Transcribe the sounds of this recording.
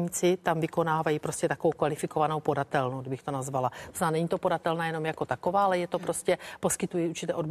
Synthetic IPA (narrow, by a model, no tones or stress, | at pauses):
ɲit͡sɪt̪amvɪko̞naːvajiːpɾo̞scɛt̪akovowkvalɪfɪkovanowpo̞dat̪ɛlnodɪbɪxt̪o̞nazvalaznaːnɛɲit̪o̞po̞dat̪ɛlnajɛno̞mjako̞t̪ako̞vaːalɛjɛt̪o̞pɾoscɛpo̞skɪt̪ujiuɾt͡ʃɪt̪ɛːʔo̞db